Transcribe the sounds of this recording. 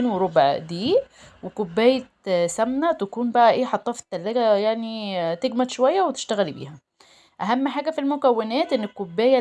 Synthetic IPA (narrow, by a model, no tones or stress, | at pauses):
nweɾˤobʕd̪iː | wekobːæːjæ | sæmnæt̪ækuːnbæʔæʔeːħɑt̪ˤːɑːfi̥t̪ːælːæːɡæjaʕnit̪eɡmæd̪ʃowæjːæwet̪ɪ̥ʃt̪æɣælbḭːhæ | ʔæɦæmːħaːɡæfilmokæwːenæːt̪ʔenːekːobːæːjæ